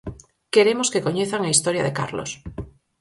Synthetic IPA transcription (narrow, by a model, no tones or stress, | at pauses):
keɾemoskekoɲeθaŋaist̪oɾjaðeka̰ɾlo̰s